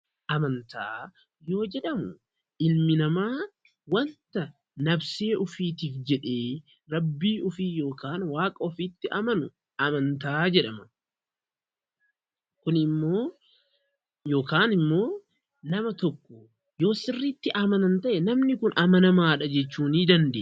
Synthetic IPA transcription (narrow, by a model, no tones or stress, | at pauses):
ʔɐmɐnt̪aː | jo̞ːd͡ʒɛᶑɐmʊ | ʔɪlmɪnɐmaː | wɐnt̪ɐ | nɐbse̞ːʔʊfiːt̪iːfd͡ʒɛᶑe̞ː | ɾɐbːiːʔʊfiːjo̞ːkaːnwaːkʼɐɔfiːt̪ːɪʔɐmɐnʊ | ʔɐmɐnt̪aːd͡ʒɛᶑɐmɐ | kʊnɪmːo̞ː | jo̞ːkaːnɪmːo̞ː | nɐmɐt̪ɔkːɔ | jo̞ːsɪrːiːt̪ːɪʔɐmɐnɐnt̪ɐʔɛnɐmnɪkʊnʔɐmɐnɐmaːᶑɐd͡ʒɛt͡ʃːuːniːd̪ɐnd̪ḛː